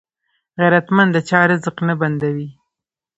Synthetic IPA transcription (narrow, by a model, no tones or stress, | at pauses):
ɣaɾat̪mand̪ət͡ʃɑɾɪzəqnaband̪awi